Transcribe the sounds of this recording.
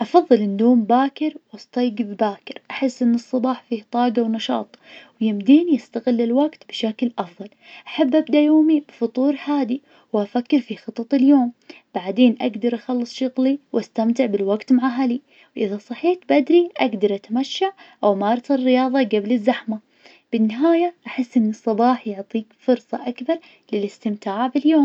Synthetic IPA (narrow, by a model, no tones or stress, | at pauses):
ʔɑfɑðˤːɨlʔɪnd̪oːmbaːkɪɾwɑst̪ˤɑjɡbbaːkɪɾʔaħɪsːʔɪnːɨsˤːɑbɑːħfiːht̪ˤɑːɡɑwnɑʃɑ̰ːt̪ˤwjɪmd̪iːnijast̪aɣɪlːɪlwaɡt̪bɪʃaklʔɑfðˤɑlʔaħabːʔabd̪ajoːmibfʊt̪ˤuːɾħaːd̪i | wʔafakːɪɾfixɨt̪ˤːɑt̪ˤɪljoːm | b̥aʕd̪eːnʔaɡd̪ɑɾˤʔaxɑlːɨsˤʃʊɣliwʔast̪amt̪ɪʕbɪlwaɡt̪maʕaɦali | wʔɪðasˤɑħiːt̪bad̪ɾiʔaɡd̪ɑɾˤʔat̪amaʃːaʕʔawmɑːɾˤɑt̪ɪrːɪjɑːðˤɑɡablɪzːaħma | b̥ɪnːɪɦaːjaʔaħɪsːʔɪnːɨsˤːɑbɑːħjʊʕt̪ˤiːkfʊɾsˤɑʔakbɑɾˤ | lɪlɪst̪ɪmt̪aːʕbɪljoːm